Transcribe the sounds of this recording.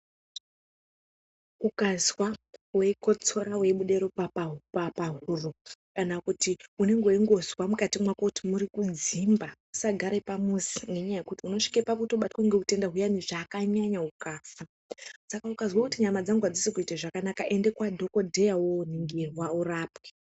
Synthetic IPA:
ukazwawe̞ko̞t͡so̞ɾawe̞ɓuɗe̞ɾo̞papapapaɦurukanakutiune̞ŋɡoiŋɡo̞zwamukatimwakotimuɾikud͡zimbausaɡʱaɾepamusi̥ne̞ɲaje̞kutiuno̞ʂi̥kepakutoɓatwaŋɡeute̞ndaɦujaniʐaːkaɲaɲaukaːfa | sakaukazwakutiɲamad͡zaŋɡuad͡zisikuitaʐakanakaʔe̞nde̞kwadʱo̞ko̞dʱe̞jawoniŋɡerwauraːpwe̥

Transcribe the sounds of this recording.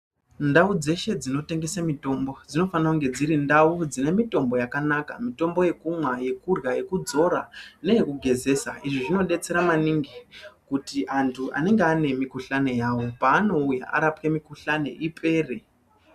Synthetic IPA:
ndaud͡ze̞ʃe̞d͡zino̞te̞ŋɡe̞samito̞mbo̞d͡zino̞fanakuŋɡe̞d͡ziɾindaud͡zine̞mito̞mbo̞jakanaka̰mito̞mbo̞je̞kumwaje̞kurjaje̞kud͡zo̞ɾane̞jekuɡʱe̞ze̞saiʐiʐino̞ɗe̞t͡se̞ɾamaniŋɡikutiʔantʰuʔa̰ne̞ŋɡeane̞mikuɬane̞jaːwo̞paːno̞uja̰ʔa̰ɾapke̞mikuɬane̞̰ʔipʰe̞ːre

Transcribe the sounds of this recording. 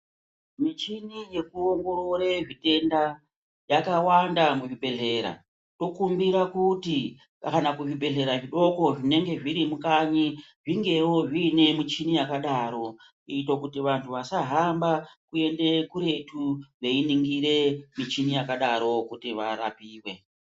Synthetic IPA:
mit͡ʃinije̞kuoŋɡo̞ɾo̞ɾeʐite̞nda | jakawandamuʐiɓe̞ɮe̞ːɾa̰ | to̞kumbiɾakuti | anakuʐibe̞ɮe̞ɾaʐiɗo̞ko̞ʐine̞ŋɡe̞ʐiɾimukaɲiʐiŋɡe̞wo̞ʐine̞mit͡ʃinijakaɗaɾo̞ | itokutiʋantʰuʋasaɦambakue̞nde̞kuɾe̞tuʋe̞iniŋɡiɾe̞mit͡ʃinijakaɗaɾo̞kutiʋa̰ɾa̰piːwe

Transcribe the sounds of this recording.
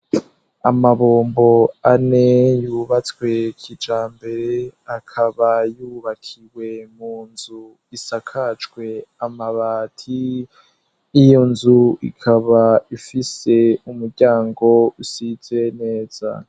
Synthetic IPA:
amaβoːmbo̞ane̞juːβat͡swe̞kʰid͡ʒaːmbe̞ɾeakʰaβajuːβakʰiwe̞muːnzu | isakʰat͡ʃwe̞amaβatʰi | jonzuḭkʰaβaifise̞umuɾɟaːŋɡo̞usiz̥e̞ne̞ːz̥a̰

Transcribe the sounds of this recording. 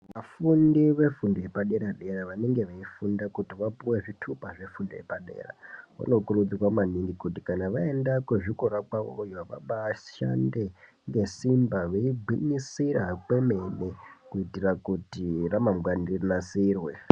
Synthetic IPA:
ʋafundiʋe̞fundojepaɗe̞ɾaɗe̞raʋane̞ŋɡe̞ʋaifundakutiʋapuwe̞ʐitʰupaʐe̞fundo̰jepaɗe̞̰ra̰ʋa̰no̞kurud͡ziwamaniŋɡikutikanaʋae̞ndakweʐikoɾakwaojoʋa̰ɓaʃa̰nde̞ | ŋɡe̞simbaʋeibʱinisiɾakwe̞me̞nekuitirakutiramamɡwanirinasirwe̞

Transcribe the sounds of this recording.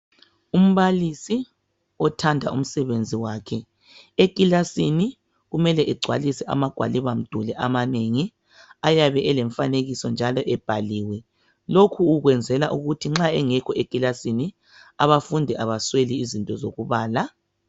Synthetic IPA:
um̩βalisi | ɔtʰandʱa̰ʔṵm̩sɛβend͡zʱiwaːkʰɛ | ekʼilasini | ɣumɛlɛʔɛɡ͡ǀʱwa̰lisɛʔa̰maɡ̥ʱwa̰liβam̩d̥ʱulɛʔamaneŋi | ajaβɛʔɛlɛɱfaneɣisɔnd͡ʒʱalɔʔɛb̥ʱaliːwɛ | lokʰuːɣwɛnd͡zʱɛlaʔuɣutʰiŋ͡ǁaɛŋɛkʰɔʔekʼilasini | aβafundʱɛʔaβasweliːzintʼɔzoɣuβaːla

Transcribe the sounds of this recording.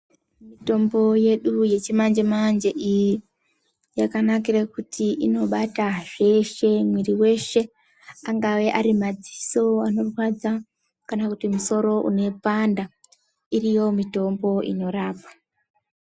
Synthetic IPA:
mito̞mbo̞je̞ɗuje̞t͡ʃimand͡ʒemand͡ʒeʔiji | jakanak̬irakutʰiino̞ɓataʐe̞ʃe̞mwiriwe̞ʃe̞ | aŋɡawe̞ʔaɾimad͡ziso̞ano̞rwad͡za | kanakutimuso̞ɾo̞ʔṵne̞panda | irijo̞mito̞mbo̞ʔḭno̞ɾaːpḁ

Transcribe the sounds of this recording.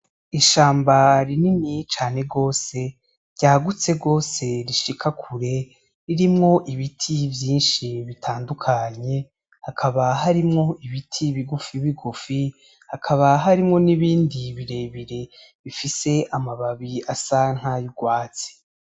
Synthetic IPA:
iʃaːmbaɾininit͡ʃaːne̞ɡo̞ːse̞ | ɾɟ̥aːɡut͡se̞ɡo̞ːse̞ɾiʃikʰakʰuɾe̞ | iɾimŋo̞ʔiβitʰivjiːnʃiβitʰaːndukʰaɲe̞ | hakʰaβaɦaɾimŋo̞ʔiβitʰiβiɡufiβiɡufi | hakʰaβaɦaɾimŋo̞niβiːndiβiɾe̞βiɾe̞ | βifise̞ʔamaβaβiasaŋ̥hajuɡwaːt͡si̥

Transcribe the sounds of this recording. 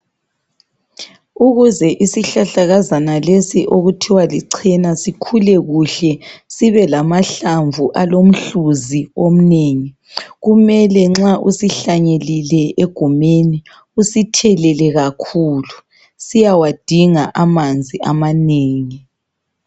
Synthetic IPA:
uɣuzɛʔisiɬaɬaɣazanalesiʔoɣutʰiwaliǀʰɛnasikʰulɛɣuɬɛsiβɛlamaɬaɱvʱuʔalom̩ɬuziom̩neŋi | ɣumɛlɛŋ͡ǁaʔusiɬaɲelilɛeɡ̥ʱumeni | usitʰɛlɛlɛɣakʰuːlu | sijawad̥ʱiŋaʔamand͡zʱiʔamaneːŋi

